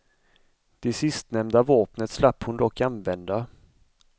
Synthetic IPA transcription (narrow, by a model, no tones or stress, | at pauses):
d̪̥ɛsɪst̪nɛmd̪avoːpnət̪slapːhʊnd̪ɔkːanvɛnd̪a